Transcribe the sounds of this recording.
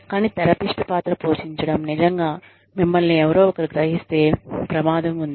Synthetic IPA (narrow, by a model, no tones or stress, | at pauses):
kaːniːt̪ɛɾɐpiʂʈɐpaːt̪ɾɐpoːʃiɲt͡ʃɐɽɐmnid͡ʒɐŋɡaː | mimːɐlniɛʋɐɾoːɔkɐɾiɡɾɐɦist̪e̞ːpɾɐmaːd̪ɐmund̪i